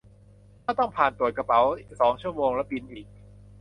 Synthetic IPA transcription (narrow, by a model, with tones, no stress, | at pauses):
maː˥˩t̪ɔ˥˩ŋpʰaː˨˩nt̪u˨˩ət̪̚ka˧pa˩˦wsɔː˩˦ŋt͡ɕʰu˥˩əmoː˧ŋlɛ˦˥pi˧nʔiː˨˩k̚